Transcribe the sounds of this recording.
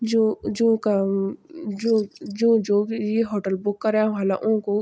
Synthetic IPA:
d͡ʒod͡ʒõːka | d͡ʒod͡ʒõːd͡ʒojeɦoːʈəlbʊkːɐɾeãwalaʔõko

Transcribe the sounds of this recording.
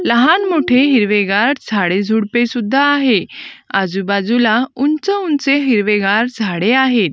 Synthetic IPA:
ləɦanmoʈʰeɦiɾʋeɡaɾd͡zʱaɽed͡zʱuɽpesud̪ʱːaːɦead͡zubad͡zulaunt͡səunt͡seɦiɾʋeɡaɾd͡zʱaɽeaɦet̪̚

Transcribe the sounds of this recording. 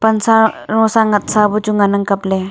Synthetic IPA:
pɐnsaɾõːsaŋɡɐt̪sabut͡ʃuŋɡanɐŋkɐple

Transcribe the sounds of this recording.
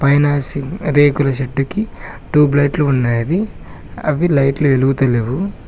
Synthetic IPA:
pɐjnaːsiɾeːkulɐʃeɖːuki | ʈuːblɐjʈluːnːaːɾi | ɐʋilɐjʈlueluɡut̪ɐleːʋu

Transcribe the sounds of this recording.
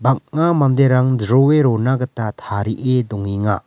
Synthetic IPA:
bak̚ŋamamd̪eɾaŋdɾoeɾonaɡɐtatʰaɾiʔedɔŋiŋa

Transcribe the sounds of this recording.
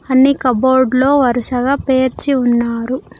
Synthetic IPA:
ɐnːikɐboːɖlo̞ːʋɐɾusɐɡɐpeːɾt͡ʃiunːaːɾu

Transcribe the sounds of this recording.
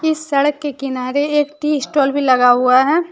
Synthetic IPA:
ɪsːɐɽəkːekɪnaːɾeeːkʈiːɪsʈoːlbʱilɐɡaɦʊaɦɛː

